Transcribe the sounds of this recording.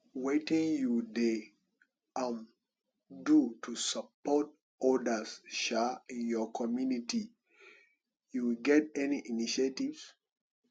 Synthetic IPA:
wetĩŋjude | ãm | dutʰusapɔt̚ | ɔdəsʃaĩnjɔkʰɔmjuniti | juɡɛt̚ɛniʔiniʃetivs

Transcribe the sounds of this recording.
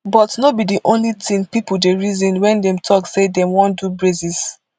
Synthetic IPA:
bɔtnobidiʔõnlitĩŋpipudeɹizĩnwɛ̃ndɛ̃mtʰɔksedɛmwɔ̃ndubɹezis

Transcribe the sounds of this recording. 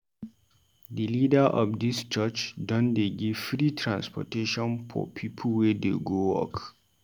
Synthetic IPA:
dəlidəʔɔ̰fdist͡ʃət͡ʃdɔ̃ndeɡiv̥fɹitʰɹã̰nspɔ̰teʃɔ̃nfɔ̰pʰipʰəl̩wɛdeɡowɔ̰k

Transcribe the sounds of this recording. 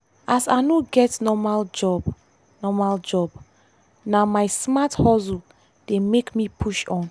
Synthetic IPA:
asanoɡɛtnɔmald͡ʒɔb | nɔmald͡ʒɔb | namaɪsmathɔzu | d̥emekmipʰuʃɔ̃n

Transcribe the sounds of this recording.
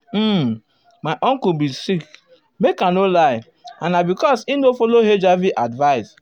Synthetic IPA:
maɪʔɔ̃ŋkubisik | mekãnolaɪ | ãnabikɔsinofɔloɦed͡ʒaviʔadvaɪs

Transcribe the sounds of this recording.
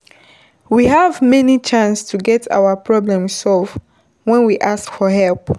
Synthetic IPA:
wiɦavmɛnit͡ʃãnstʰuɡɛtʰa̰wəpʰɹɔblɛ̃msɔlv | wɛ̃nwiʔaskfɔɦɛlp

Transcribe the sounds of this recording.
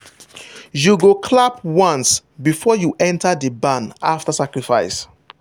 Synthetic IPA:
juɡokʰlap̚wãnsbifɔjuʔɛ̃ntadəbãna̰ftasakɹifa̰ɪs

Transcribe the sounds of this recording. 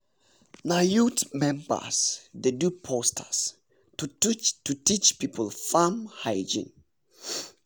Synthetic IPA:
najutmɛ̃mbə̰sdedupʰostʰə̰s | tutit͡ʃpipʰəlfamhajd͡ʒḭ̃n

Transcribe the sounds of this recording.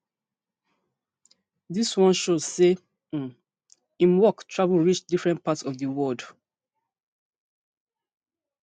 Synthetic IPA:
diswɔ̃nʃoz̥se | ĩmwɔktʰɹavulɹit͡ʃdifɹɛ̃nt̚patsɔvdəwɔd

